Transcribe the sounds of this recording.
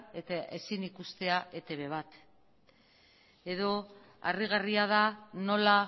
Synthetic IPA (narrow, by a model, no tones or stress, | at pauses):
e̞t̪aʔe̞sinikust̪e̞aʔe̞t̪e̞βe̞βat̪ | e̞ðo̞ | a̰riɣ̞ariað̞ano̞la